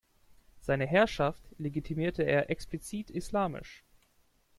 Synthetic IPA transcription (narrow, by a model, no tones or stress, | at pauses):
z̥aɪnəɦɛɐʃaftleɡitʰimiːɐtʰəeːɐʔɛksplit͡siːtʰislaːmɪ̰ʃ